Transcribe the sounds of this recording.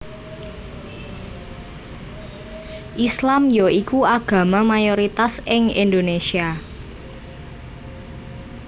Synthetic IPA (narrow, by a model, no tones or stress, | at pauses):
ʔislamjoikuaɡ̥ä̤mamajoɾit̪asɪŋind̪onesia